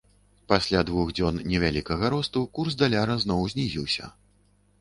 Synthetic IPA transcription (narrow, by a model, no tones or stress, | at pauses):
pasʲlʲad̪vuɣd͡zʲɔnnʲɛvʲalʲikɐɣɐɾɔst̪ukursd̪alʲaɾɐznɔwzʲnʲizʲḭwsʲɐ̰